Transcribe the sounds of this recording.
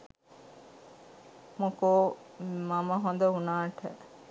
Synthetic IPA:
mokoː | mɐmɐɦõnd̪ɐunaːʈʰə̰

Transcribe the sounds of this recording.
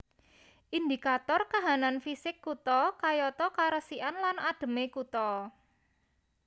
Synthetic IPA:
ʔind̪ikat̪ɔrkaɦananfisɪkːut̪ɔkajɔt̪ɔkaɾəsiʔanlanad̥ə̤mekut̪ɔ

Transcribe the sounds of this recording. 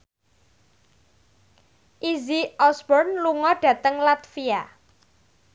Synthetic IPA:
ʔiziɔsbɔrnluŋɔɖ̥ä̤t̪əŋlat̪fia

